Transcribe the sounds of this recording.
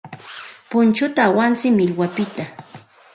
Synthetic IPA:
pʊnt͡ʃʊt̪aːwant͡sɪkmɪlwapɪt̪a

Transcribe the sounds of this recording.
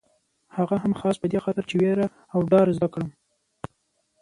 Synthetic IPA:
haɣaɦamxɑspəd̪exɑt̪ɪɾt͡ʃeweɾa | awɖɑɾzd̪akɽəm

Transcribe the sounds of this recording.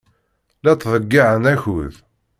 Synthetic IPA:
læt̪ːðˤəɡːiʕənæçuð

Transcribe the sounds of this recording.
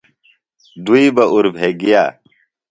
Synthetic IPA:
d̪uibɐʔuɾbʱeːɡija̰ː

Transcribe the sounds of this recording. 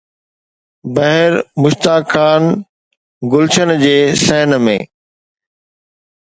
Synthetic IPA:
bɐɦɪɾmʊʃt̪aːkʰːaːn | ɡʊlt͡ɕənd͡ʑeːsɛɦɪnmḛ̃ː

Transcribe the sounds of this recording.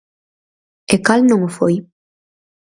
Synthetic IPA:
ekalnõŋofoj

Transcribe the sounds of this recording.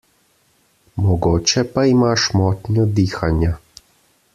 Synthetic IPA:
mɔɡoːt͡ʃɛpaimaʃmɔːt̪nʲjɔd̪iːxanja

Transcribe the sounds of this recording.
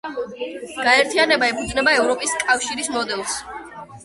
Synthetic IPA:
ɡ̥aɛɾt̪ʰianɛbaɛpʰud̪znɛbaɛvɾɔpʼiskʼafʃiɾismɔd̪ɛlˠs

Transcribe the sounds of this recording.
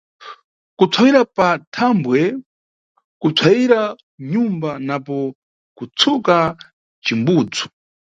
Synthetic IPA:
kut͡sʰwawiɾapatʰambwɛ | kut͡sʰwawiɾa | ɲumbanapɔ | kut͡sʰuka | t͡ʃimbuːd͡zu̥

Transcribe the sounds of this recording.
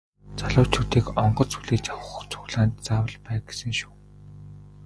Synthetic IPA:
t͡saɮʊːt͡ɕʰut̪iːkɔɴɢɞ̆t͡suɮeːt͡ɕawə̆χ̆t͡sʰʊ̥ɣɮaːnt̪t͡saːwə̆ɮpæːɡesɘ̆ŋʃu̥ː

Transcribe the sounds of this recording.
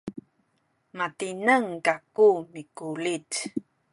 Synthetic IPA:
matinəŋkakumikulit

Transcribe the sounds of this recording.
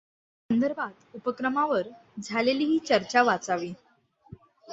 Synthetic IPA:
sənd̪əɾbʱat̪upəkɾəmaʋəɾd͡zʱaleliːɦiːt͡ɕəɾt͡ɕaʋat͡saʋiː

